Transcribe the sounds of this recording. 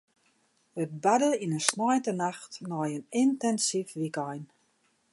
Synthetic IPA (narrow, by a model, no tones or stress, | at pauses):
ət̚badəinənsnɔjtənaxtnɔjənɪntɛnsifʋikɔjn